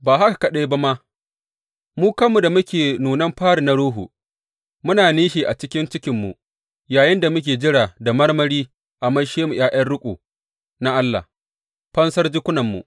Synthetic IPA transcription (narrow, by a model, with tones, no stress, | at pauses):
baː˨ɦa˦ka˨kɐ˨ɗa˦jba˦ma˦ | muː˦kɐ˦mːu˨da˨mʊ˦kʲeː˨nuː˨nɐ˦mɸaː˦ɽi˨na˨˦ɽoː˦ɦṵ˨ | mʊ˦naː˨niː˦ʃi˨ʔa˨t͡ʃɪ˦kʲɪ˦nt͡ʃɪ˦kʲɪ˨mːu˨ | jaː˨jɪ˦nda˨mʊ˦k̬ʲeː˨d͡ʒɪ˦ɽa˨da˨mɐ˦rmɐ˦ɽiː˦ | ʔa˨mɐ˦ʃeː˦mu˨j̰ʔaː˦ʔɐ˦rɽʊ˦kʷʼo̰ː˨ | na˦ʔa˦lːa̰˨h | ɸɐ˦nsɐ˦rd͡ʒɪ˦kʷʊ˦nɐ˨mːṵ˨ʔ